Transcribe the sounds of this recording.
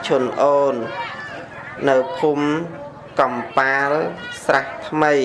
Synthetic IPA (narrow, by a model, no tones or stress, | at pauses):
t͡ɕʰʊənʔoːn | nɨwpʰum | kɑmpaːlsraht̪ʰməj